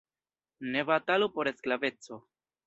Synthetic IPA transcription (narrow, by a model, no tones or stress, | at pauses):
ne̞vat̪alupoɾe̞sklave̞t͡so̞